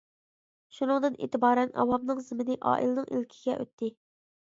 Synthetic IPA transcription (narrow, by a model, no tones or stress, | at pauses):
ʃunɨŋd̪ɨnʔḛːt̪ɪbɑːɾɛnɑ̰wɑmnɨŋzɪmɪnɪʔɑ̰ːʔilˠɨnɨŋʔḭlkʲʰiɡʲɛʔø̰t̪ʰːɪ